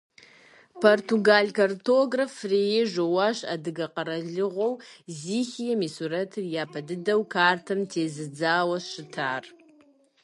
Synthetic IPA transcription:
pʰortʰuɡalkɐrtʰoɡrafrejɪʒowaːʃa̰dɨɡɐqɐɾɐɮɨʁʷowziːxijɛmiːsurɐtʰɨrjaːpʰɐdɨdɐwkʰaːrtʰɐmtʰeːzɨd͡zaːwɐʃɪtʰaːr

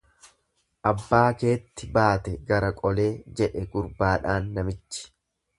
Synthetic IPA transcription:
ʔɐbːaːke̞ːt̪ːɪbaːt̪ɛɡɐɾɐkʼɔle̞ːd͡ʒɛᶑɛɡʊɾbaːᶑaːnːɐmɪt͡ʃːɪ̥

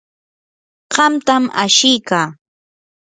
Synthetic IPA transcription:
ɢ̥ɑmt̪ama̰ʃɪjkaː

